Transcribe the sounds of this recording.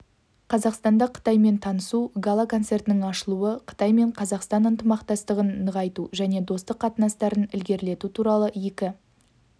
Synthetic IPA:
qʰɑzɑqst̪ɑnd̪ɑqʰə̥t̪ɑjme̞nt̪ʰɑnəsuɡalˠakʰo̞nt̪se̞rt̪ɪnɪŋɑʃəlˠuəqʰə̥t̪ɑjme̞ɴqʰɑzɑqst̪ɑnənt̪əmɑqt̪ɑst̪əʁənːəʁɑjt̪uʒæne̞d̪o̞st̪əqːʰɑt̪ənɑst̪ɑɾənɪlɡʲe̞ɾle̞t̪ut̪ʰuɾɑlˠəje̞kʲɪ

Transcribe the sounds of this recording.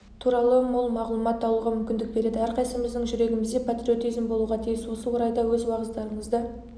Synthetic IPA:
t̪ʰuɾɑlˠəmwolˠmɑʁlˠumɑt̪ːɑlˠuʁɑmʏmkʲɪnd̪ɪk̚be̞ɾe̞d̪ɪæɾqɑjsəməzd̪əɴʒʏɾe̞ɡʲɪmɪzd̪epʰat̪ɾʲio̞t̪izɪmbo̞lˠuʁɑt̪ʰijɪswo̞səwo̞ɾɑjd̪ɑwɵzwɑʁəzd̪ɑɾəɴəzd̪ə

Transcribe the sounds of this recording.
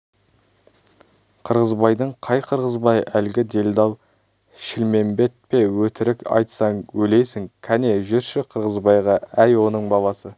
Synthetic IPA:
qʰəɾʁəzbɑjd̪əɴqʰɑjqʰəɾʁəzbɑjælɡʲɪd̪e̞ld̪ɑlˠ | ʃɪlme̞mbe̞t̪̚pe̞wɵt̪ɪɾɪkɑ̰jt̪sɑɴwɵlejsɪŋkʲʰæne̞ʒʏɾʃɪqʰəɾʁəzbɑjʁɑæjwo̞nəɴbɑlˠɑsə

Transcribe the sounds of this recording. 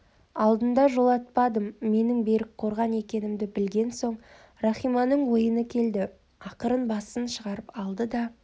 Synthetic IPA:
ɑlˠd̪ənd̪ɑʒo̞lˠɑt̪̚pɑd̪əmːe̞nɪŋbe̞ɾɪk̚qʰo̞ɾʁɑne̞kʲe̞nɪmd̪ɪbɪlɡʲe̞nso̞ɴ | ɾɑχijmɑnəɴwo̞jənəkʲʰe̞ld̪ɪ | ɑqəɾənbɑsənʃəʁɑɾəpɑlˠd̪əd̪ɑ

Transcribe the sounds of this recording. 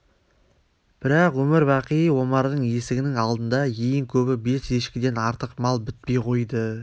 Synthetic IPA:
b̥ɪɾɑqwɵmɪɾbɑqijəwo̞mɑɾd̪əɴje̞sɪɡʲɪnɪŋɑlˠd̪ənd̪ɑjejɪŋkʲʰɵbɪbe̞se̞ʃkʲɪd̪e̞nɑɾt̪əqmɑlˠbɪt̪̚pe̞jqʰo̞jd̪ə

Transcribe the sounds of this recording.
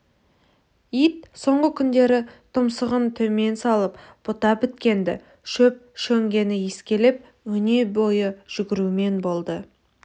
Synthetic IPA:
ijt̪̚so̞ɴʁəkʲʰʏnd̪e̞ɾɪt̪ʰʊmsəʁənt̪ʰɵme̞nsɑlˠəpb̥ʊt̪ɑbɪt̪kʲe̞nd̪ɪ̰ | ʃɵp̚ʃɵŋɡʲe̞nɪjeskʲe̞lep̚ | wɵne̞bo̞jəʒ̥ʏɡʲɪɾume̞nbo̞lˠd̪ə

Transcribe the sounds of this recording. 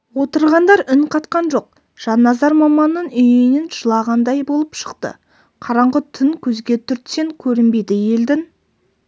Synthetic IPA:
wo̞t̪əɾʁɑnd̪ɑɾʏnqʰɑt̪qɑnʒo̞q̚ | ʒ̥ɑnːɑzɑɾmɑmɑnːənʏjnenʒəlˠɑʁɑnd̪ɑjbo̞lˠəpʃə̥qt̪ə̰ | qʰɑɾɑɴʁət̪ʰʏŋkʲʰɵzɡʲe̞t̪ʰʏɾt̪se̞ŋkʲʰɵɾɪnbe̞jd̪ɪje̞ld̪ɪŋ

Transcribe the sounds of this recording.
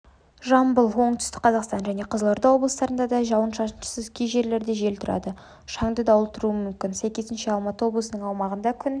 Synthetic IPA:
ʒɑmbəlˠwo̞ɴt̪ʏ̥st̪ɪkqʰɑzɑqst̪ɑnʒæne̞qʰəzəlˠoɾd̪ɑwo̞blˠəst̪ɑɾənd̪ɑd̪ɑʒɑwənʃɑʃənʃə̥səzkʲejʒe̞ɾle̞ɾd̪e̞ʒe̞lt̪ʰʊɾɑ̰d̪ə | ʃɑɴd̪əd̪ɑwʊlˠt̪əɾuəmʏmkʲɪnsæjkʲezɪnʃɪɑlˠmɑt̪əwo̞blˠəsənəɴɑwmɑʁənd̪ɑkʲʰʏn

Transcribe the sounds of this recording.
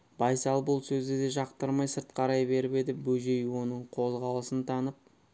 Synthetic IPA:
bɑjsɑlˠbʊlˠsɵzɡed̪e̞ʒɑqt̪əɾmɑjsəɾt̪qʰɑɾɑjbe̞ɾɪpe̞d̪ɪbɵʒe̞jwo̞nəɴqʰo̞zʁɑlˠəsənt̪ʰɑnəp̚

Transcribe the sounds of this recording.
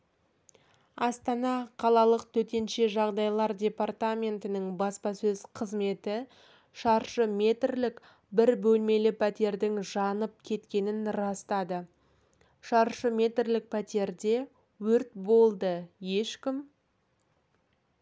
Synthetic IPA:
ɑst̪ɑnɑqʰɑlˠɑlˠəq̚t̪ʰɵt̪e̞nʃe̞ʒɑʁd̪ɑjlˠɑɾdʲe̞part̪amʲe̞nt̪ɪnɪɴbɑspɑsɵzqʰəzme̞t̪ɪ | ʃɑɾʃəme̞t̪rlɪk | bɪɾbɵlme̞lɪpʰæt̪e̞ɾd̪ɪŋʒɑnəp̚kʲʰe̞t̪kʲe̞nɪnɾɑst̪ɑd̪ə | ʃɑɾʃəme̞t̪rlɪk̚pʰæt̪e̞ɾd̪e̞ | wɵɾt̪̚bo̞lˠd̪əje̞ʃkʲɪm

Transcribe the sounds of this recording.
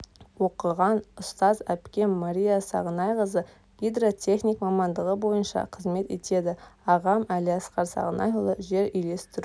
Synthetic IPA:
wo̞qəʁɑnʊst̪ɑzæpkʲe̞nmaɾʲijasɑ̰ʁənɑjʁəzə | ɡʲid̪ro̞t̪ʲʰe̞χnʲikmɑmɑnd̪əʁəbo̞jənʃɑ̰qʰəzme̞t̪e̞t̪ʰe̞d̪ɪɑʁɑmæliɑsqɑɾsɑ̰ʁənɑjulˠəʒe̞ɾʏjle̞st̪ɪɾu

